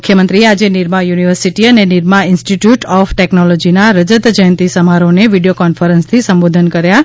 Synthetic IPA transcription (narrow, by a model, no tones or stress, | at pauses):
ukʰːjəmənt̪ɾiead͡ʒeniɾmajuniʋəɾsiʈiəneniɾmaɪnsʈiʈjuʈɔfʈeknɔlɔd͡ʒinaɾəd͡ʒət̪d͡ʒəjə̃nt̪isəmaɾoneʋiɽijokɔnfəɾə̃nst̪ʰisəmbod̪ʱənkəɾja